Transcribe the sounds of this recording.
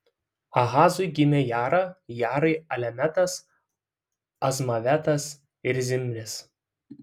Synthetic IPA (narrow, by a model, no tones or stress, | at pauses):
ɐɣɑːzʊɪɡʲɪmʲɛjæːɾɐjæːɾɐɪɐlʲɛmʲɛt̪ɐs | ɐzmɐʋʲɛt̪ɐs | ɪɾzʲɪmʲɾʲɪs